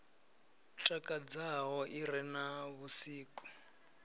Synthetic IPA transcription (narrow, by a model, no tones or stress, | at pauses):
tʼakʼad͡zaɦɔʔiɾɛnaβusiːkʼu̥